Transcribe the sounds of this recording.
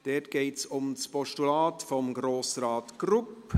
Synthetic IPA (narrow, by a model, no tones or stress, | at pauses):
d̥ɛtɡ̥eɪtsʊmspɔʃtulaːtfɔmɡroːsraːtɡ̥rʊp